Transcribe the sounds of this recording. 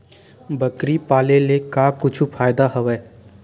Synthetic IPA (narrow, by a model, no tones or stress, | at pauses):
bəkɾipaːlelekaːkʊt͡ʃʰupʰaːjd̪aɦɐʋɛː